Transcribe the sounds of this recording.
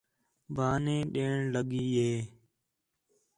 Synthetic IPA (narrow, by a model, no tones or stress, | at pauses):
bʱaːnẽːɗeːɳləɠiːɦeː